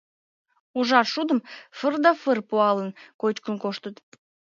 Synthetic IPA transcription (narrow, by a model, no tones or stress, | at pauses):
uʒɑrʃud̪əmfərd̪ɑfərpuɑlənkot͡ɕkənkoʃt̪ət̪